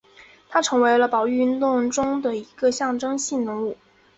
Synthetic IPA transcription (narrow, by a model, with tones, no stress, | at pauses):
t̪ʰa˥ʈ͡ʂʰɤ˧˥ŋwe˧˥ɪlə˧pɑ˨˩ʊy˥˧nt̪ʊ˥˩ŋʈ͡ʂʊ˥ŋd̪ə˨i˧˥ɡə˧ɕjɑ˥˩ŋʈ͡ʂɤ˥ŋɕi˥˩nnɤ˧˥ŋu˥˩